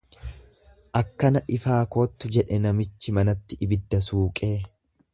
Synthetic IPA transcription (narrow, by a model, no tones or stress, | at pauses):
ʔɐkːɐnɐʔɪfaːko̞ːt̪ːʊd͡ʒɛᶑɛnɐmɪt͡ʃːɪmɐnɐt̪ːɪʔɪbɪd̪ːɐsuːkʼe̞ː